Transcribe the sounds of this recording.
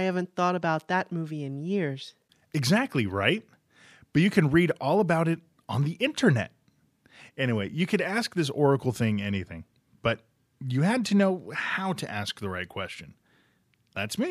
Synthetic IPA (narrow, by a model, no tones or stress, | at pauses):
aɪhævɨ̃nθɔɾəbaʊt̪̚ðɨt̚muviɨ̃njɪɹz̥ | ɨɡzæk̚tˡliɹaɪt̚ | b̥ʌt͡ʃɨkʰɨ̃nɹiɾɔlˠəbaʊɾɨɾ | n̩ðiʔɪ̃ntʰə˞nɛ̰t̚ | ɛñiweɪjɨkʰɨɾæsk̚ðɪs̬ɔɹɨkl̩ˠθɪ̃ŋɛñiθɪ̰̃ŋ | b̥ʌt͡ʃ̚ | ɨɨd̚tʰɨnoʊhaʊɾɨ̰ʔæsk̚ðəɹaɪt̚kʰw̥ɛst͡ʃɨ̃n̩ | ðætsmi